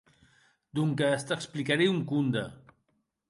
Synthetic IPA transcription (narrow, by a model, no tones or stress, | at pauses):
d̪uŋkəːst̪əksplikaɾeuŋkund̪ə